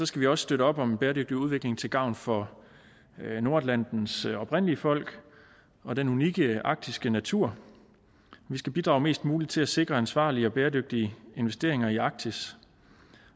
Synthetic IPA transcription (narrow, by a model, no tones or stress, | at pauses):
sɒ̽sɡ̥æʋiɒ̽sə̥sd̥øɾəɒ̽b̥ɒ̽mbeːɐdøɡ̥̚d̥iuð̞ˠʋe̝ɡ̥le̝ŋt͡sʰe̝lɡ̥ɑ̈ʊ̰nfɒ̽ | no̝ɐd̥læn̰d̥n̩sɒ̽b̥ʰʁen̰əliəfɒ̽l̰ɡ̥ | ɒ̽d̥enuniɡ̥əʔɑ̈ɡ̥̚d̥isɡ̥ənæt͡sʰuɐ̰ | ʋisɡ̥æb̥id̥ʁɑ̈ʊme̝̰ːsd̥muːlid̥t͡sʰe̝læse̝ɡ̥ʁɐænsʋɑ̰̈ːliəɒ̽b̥eːɐdøɡ̥̚d̥iəe̝nʋesd̥e̝ɐ̰e̝ŋɐiɑ̈ɡ̥̚t͡sʰis